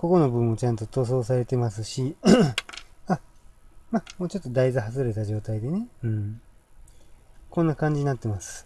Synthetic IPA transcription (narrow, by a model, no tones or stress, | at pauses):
ko̞ko̞no̞bɯ̟̃mːo̞t͡ɕãnt̪o̞t̪o̞ːso̞ːsaɾe̞t̪e̞masɨɕi | a | mamoːt͡ɕo̞t̪ːod̪aizɨɦazɨɾe̞t̪aʑo̞ːt̪aid̪e̞ne̞ɯ̟̃ɴ | kõ̞nːakãɲ̟d͡ʑiɲ̟inat̪ːe̞masɨ̥